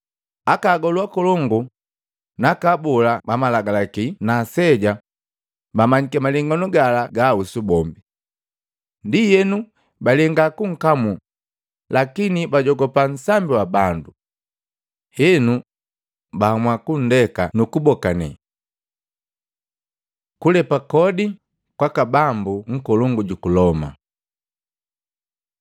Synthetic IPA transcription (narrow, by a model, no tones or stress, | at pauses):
akaːɡɔluakɔlɔŋɡu | nakabɔlabamalaɡalakinasɛɟa | bamaɲikɛmaliŋɡɔnuɡalaɡausubɔmbi | ndijɛnu | balɛŋɡakuŋ̩kamu | lakinibaɟɔɡɔpan̩sambiwabandu | hɛnu | bamwakun̩dɛka̰nukubɔkanɛ̰ | kulɛpakɔdi | kwakabambuŋ̩kɔlɔŋɡuɟukulɔma̰